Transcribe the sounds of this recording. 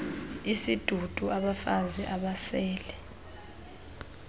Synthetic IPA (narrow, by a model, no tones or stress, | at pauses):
isid̥ʱud̥ʼʱuʔaɓafazɛʔaɓasɛːlɛ